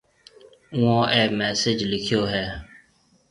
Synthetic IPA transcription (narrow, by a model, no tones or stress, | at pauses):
ʊ̃õːʔɛːmɛːsɪd͡ʒlɪkʰɪjoːɦɛː